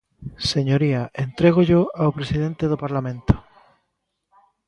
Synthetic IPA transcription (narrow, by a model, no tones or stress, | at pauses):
seɲoɾiaʔent̪ɾeɣ̞oʎoawpɾesiðẽnt̪eðopaɾlamẽnt̪o̥